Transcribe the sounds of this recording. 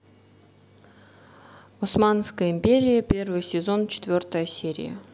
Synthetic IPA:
osmanskəjəimʲpʲeɾʲɪjəpʲe̞rvɨjsʲɪzo̞nt͡ɕʰɪ̥t̪vʲo̞rt̪əjəsʲeɾʲɪ̰jə̰

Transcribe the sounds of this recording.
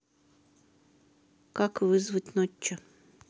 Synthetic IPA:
kakʋɪzʋɨtʲnɔt͡ʃːɔ

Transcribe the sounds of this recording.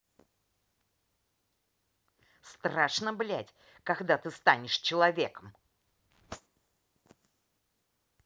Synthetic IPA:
st̪ɾaʂnəblʲætʲ | kɐɡd̪at̪ɨst̪anʲɪʂt͡ɕɪlˠɐvʲe̞kəm

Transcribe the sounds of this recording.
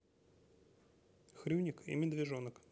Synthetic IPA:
xɾʲunʲɪkḭmʲɪd̪vʲɪʐonək

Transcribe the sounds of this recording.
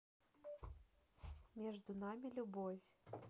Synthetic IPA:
mʲɛʐd̪unamʲilʲubɔfʲ

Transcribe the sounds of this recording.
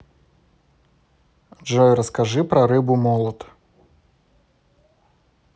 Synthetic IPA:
ʐɔjɾɐskaʐɨpɾɐɾɨbʊmɔlˠɔt̪

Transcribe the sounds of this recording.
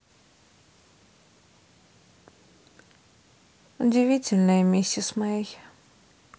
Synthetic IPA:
ʊdʲɪvʲitʲɪlʲnəjəmʲisʲːəsmɐjej

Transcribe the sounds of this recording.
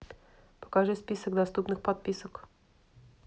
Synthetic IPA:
pə̥kɐʐɨspʲisəɡd̪ɐst̪upnɨxpɐt̪̚pʲisək

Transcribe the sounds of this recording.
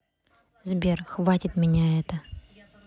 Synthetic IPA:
zbʲerxvatʲɪt̪mʲɪnʲaɛt̪ə

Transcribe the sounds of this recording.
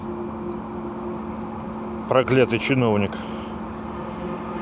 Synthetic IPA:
pɾɐklʲat̪ɨt͡ɕɪnovnʲɪk

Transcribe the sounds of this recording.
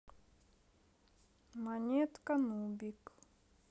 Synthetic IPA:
manʲet̪kanubʲik

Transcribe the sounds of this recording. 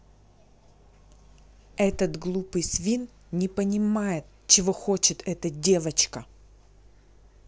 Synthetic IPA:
ɛt̪ət̪ɡlˠupɨjsvʲin | nʲɪpənʲɪmajɪt̪ | t͡ɕɪvo̞xot͡ɕɪt̪ɛt̪ədʲe̞vət͡ɕkə

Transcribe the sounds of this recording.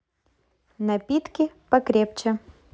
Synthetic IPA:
nɐpʲit̪kʲɪpɐkɾʲep̚t͡ɕɛ

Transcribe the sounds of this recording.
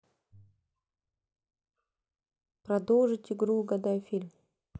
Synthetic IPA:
pɾɐd̪olˠʐɨtʲɪɡɾuɡɐd̪ajfʲilʲm

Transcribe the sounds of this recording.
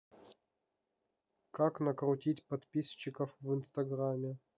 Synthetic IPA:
kaknɐkɾʊtʲitʲpɐt̪pʲisɕːɪkəfvɨnst̪ɐɡramʲːɪ

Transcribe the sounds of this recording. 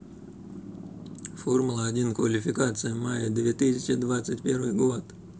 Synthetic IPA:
formʊlˠəɐdʲinkvɐlʲɪfʲɪkat̪sɨjəmajɪd̪vʲet̪ɨsʲɪt͡ɕɪd̪vat̪sɨtʲpʲe̞ɾvɨjɡot̪

